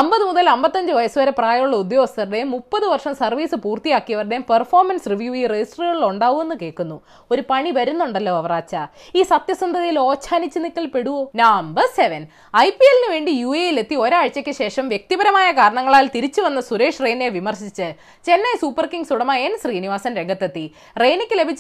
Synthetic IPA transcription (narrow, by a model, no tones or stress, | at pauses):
ɐmbɐðɨmuðɐlɐmbɐt̪ːɐɲd͡ʑɨʋɐjɐsuʋɐɾepraːjɐjuɭːɐud̪jo̞ːɡɐst̪ɐrɽemupːɐðɨʋɐrʂɐmsɐrʋiːsɨpuːrt̪ijaːkːijɐʋɐrɽempɐrfo̞ːrmɐnsriʋjuːiːred͡ʑisʈriɐɭiɭuɳɖaːɣume̞nːɨke̞ːkːunːu | o̞ɾupɐɳiʋɐɾunːuɳɖɐlːoːɐʋɐraːt͡ɕːa | iːsɐt̪jɐsɐnd̪ʱɐðijilo̞ːt͡ɕʰːaːnit͡ɕːɨnikːɐɭpe̞ɽuʋoːnaːmbɐrse̞ʋɐn | ɐjpijelinɨʋe̞ːɳɖijuːejile̞t̪ːio̞ɾaːɻt͡ɕːɐkʲːɨɕe̞ːʂɐmʋjek̚t̪ibɐɾɐmaːjɐkaːɾɐɳɐŋːɐɭaːlt̪iɾit͡ɕːɨʋɐnːɐsuɾe̞ːʂreːneʋimɐrɕit͡ɕːɨ | t͡ɕe̞nːɐjsuːpːɐrkiŋɡsuɽɐmaːenɕriːniʋaːsɐnɾe̞ŋɡʱɐt̪ːet̪ːi | re̞ːnikʲːɨle̞bʱit͡ɕː